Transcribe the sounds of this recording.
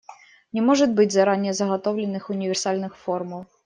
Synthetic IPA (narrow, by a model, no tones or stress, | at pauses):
nʲɛmɔʐɐd̪ʲbɨd͡zʲzaɾanʲːɛzɐɣat̪ɔwlʲɛnɨxunʲivʲɛrsalʲnɨxfɔrmɐw